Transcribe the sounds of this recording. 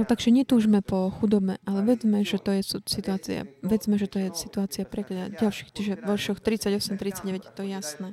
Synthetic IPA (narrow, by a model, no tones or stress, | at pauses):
lɔt̪aɡʒɛɲɛt̪uːʒmɛpɔxud̪ɔbmɛ̰ʔalɛʋɛd͡zmɛʒɛt̪ɔjɛsusit̪uaːt͡sḭa̰ʋɛd͡zmɛʒɛt̪ɔjɛsit̪uaːt͡siapɾɛkʎaɟalʃiːxt͡ʃiʒɛʋɔɾʃɔxt̪ɾit͡saɟɔsɛmt̪ɾit͡saɟɟɛʋɛɟjɛt̪ɔjasnɛː